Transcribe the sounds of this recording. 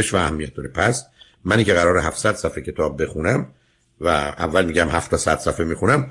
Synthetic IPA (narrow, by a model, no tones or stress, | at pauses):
eʃvæːhæmːijæt̪̚d̪ɒɾepʰæs | mæniːcʰeɣæɾɒːɾeɦæfsæd̪̥sæfecʰe̞t̪ʰɒːbːe̞xunæm | vææ̰vːælmiːɟæmhæft̪ʰɒsæd̪̥sæfemiːxunæm